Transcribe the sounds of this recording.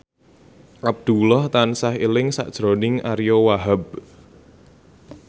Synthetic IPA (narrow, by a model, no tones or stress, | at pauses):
ʔab̚d̪̥ṳlɔht̪ansaɦilɪŋsa̰ʔd̥ʒ̥ɾonɪŋʔaɾijowaɦab̚